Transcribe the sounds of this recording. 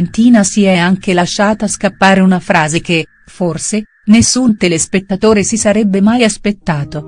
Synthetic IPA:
nt̪iːnasiɛaŋk̟elaʃːaːt̪aːskapːaːɾeunafɾaːzek̟e | forse | nesːunt̪elespet̪ːat̪oːɾesisaɾɛbːemajaspet̪ːaːt̪o

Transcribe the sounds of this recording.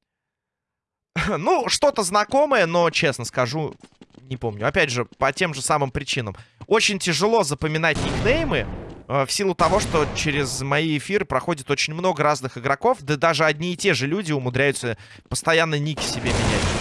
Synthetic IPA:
nuʂt̪o̞t̪əznɐko̞məjəno̞t͡ɕe̞snəskɐʐunʲɪpo̞mnʲʊɐpʲædʲʐɨpɐtʲe̞mʐɨsamɨmpɾʲɪt͡ɕinəmo̞t͡ɕɪnʲtʲɪʐɨlˠo̞zəpəmʲɪn̪atʲnʲɪknejmɨəfsʲilˠʊt̪ɐvo̞ʂt̪o̞t͡ɕeɾʲɪzmɐiɪfʲiɾɨpɾɐxo̞dʲɪt̪o̞t͡ɕɪnʲmno̞ɡəɾaznɨxɨɡɾɐko̞fd̪əd̪aʐɨɐdʲnʲiːtʲeʐɨlʲudʲɪʊmʊd̪ɾʲæjʊt̪sə | pəst̪ɐjanːənʲikʲɪ̥sʲɪbʲemʲɪnʲætʲ

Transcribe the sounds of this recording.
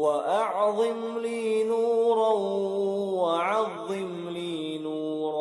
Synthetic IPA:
waʔɑʕðˤɨmliːnuːɾˤɑw | waʕɑðˤːɨm | liː | nuːɾ

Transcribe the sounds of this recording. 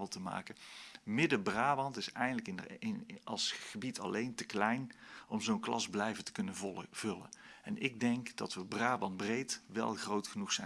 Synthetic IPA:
əlˠtəma̰ːkəmɪdəbraːʋɑntɪsɛjχəndələkɪnɑ̰lˠsχəbitʰɑ̰lejntəklɛjnɔmzownklɑzblɛjvəntə̥kɵnənv̥ɵlə̰nɛnɪɡ̚dɛŋkd̥ɑ̰tʋəbraːʋɑnbrejtʋɛ̰lˠχrowtχənuxsɛ

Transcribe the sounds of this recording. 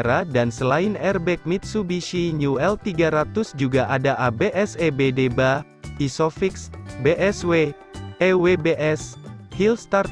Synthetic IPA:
ɾadansəlainɛrbɛk̚mit̪̚subiʃiɲuɛlt̪iɡaɾat̪usd͡ʒuɡaʔadaʔabeʔɛsebedeba | isɔfiksbeʔɛswe | ewebeʔɛshilst̪ar

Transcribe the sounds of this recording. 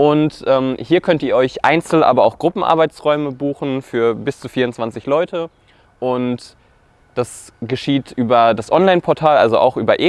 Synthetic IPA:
ʔʊntʔɛːmhiːɐkʰœntiːɐʔɔʏçʔa̰ɪnt͡sl̩ʔa̰ːbɐa̰ʊxɡ̥ʁʊpm̩ʔa̰ɐbaɪt͡sʁɔʏməbuːxn̩fyːɐbɪst͡suːfiːɐʊnt͡sv̥ant͡sɪçlɔʏtʰə | ʔʊnt | d̥asɡ̥əʃiːtʰʔyːbɐdasʔɔnlaɪnpʰɔɐtʰaːlʔa̰lzoʔa̰ʊxʔyːbɐʔeː

